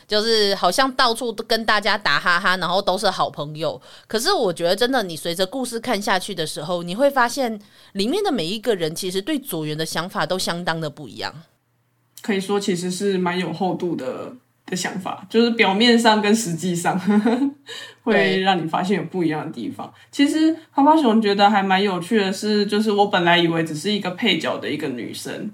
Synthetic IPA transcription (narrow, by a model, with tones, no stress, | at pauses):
t͡ɕjo˥˧ʊʂɻ̩˥˩xɑ˨˩ʊɕjɑ˥˧ŋt̪ɑ˥˧ʊt͡sʰu˥˧kə˦˥nt̪a˥˩t͡ɕja˥t̪a˧˥xa˥ɦa˥na˧˥ŋxo˥˩ʊt̪o˥ʊʂ̬ɻ̩˥˩xɑ˨˩ʊpʰɤ˧˥ŋjo˨˩ʊkʰɤ˨˩ʂ̬ɻ̩˥˩wɔ˨˩t͡ɕɥɛ˧˥d̪ə˨ʈ͡ʂə˥nd̪ə˨ni˨˩swe˧˥ɪʈ͡ʂə˧ku˥˧ʂɻ̩˥˧kʰa˥˧nɕja˥˧t͡ɕʰy˥˩d̪ə˩ʂɻ̩˧˥xo˥˩ʊni˨˩xwe˥˩ɪfa˥ɕjɛ˥˩n | li˨˩mjɛ˥˩nd̪ə˩me˨˩ɪi˧˦˥ɡə˨ɻə˧˦˥nt͡ɕʰi˧˥ʂɻ̩˧˥t̪we˥˩ɪt͡swɔ˨˩ɥɛ˧˥nd̪ə˨˧ɕjɑ˧˥ŋfa˨˩t̪o˥ʊɕjɑ˥ŋt̪ɑ˥ŋd̪ə˨pu˥˩ḭ˧˦jɑ̰˥˩ŋ | kʰɤ˧˥i˨˩ʂwɔ˦˥t͡ɕʰi˧˥ʂɻ̩˧˦ʂɻ̩˥˩ma˧˦njo˨˩ʊxo˥˧ʊt̪u˥˩d̪ə̰˩ | d̪̥ə˨ɕjɑ̰˧˥ŋfa̰˨˩˦t͡ɕjo˥˧ʊʂɻ̩˥˩pjɑ˨˩ʊmjɛ˥˧nʂɑ˥˩ŋkə˦nʂɻ̩˧˥t͡ɕi˥˧ʂɑ˥˧ŋ | xwe˥˩ɪɻɑ˥˩ŋni˨˩fa̰˥ɕ̬jɛ˥˩njo˨˩ʊpu˥˩i˧˦jɑ˥˩ŋd̪ə˩t̪ḭ˥˩fɑ̰˨˩˦ŋ | t͡ɕʰi˧˥ʂɻ̩˧˦ha˨˥pʰɑ˥ɕt͡ɕɥɛ˧˥d̪ə˧xa˧˥ɪma˧˦njo˨˩ʊt͡ɕʰy˥˩d̪ə˩ʂɻ̩˥˧t͡ɕjo˥˧ʊʂ̬ɻ̩˥˩wɔ˧˥pə˨˩nla˧˥ɪi˨˩we˧ɪʈ͡ʂɻ̩˨˩ʂɻ̩˥˩i˧˥ɡə˨pʰe˥˩ɪt͡ɕjɑ˨˩ʊd̪ə˦i˧˥ɡə˨ny̰˨˩ʂə̰˥n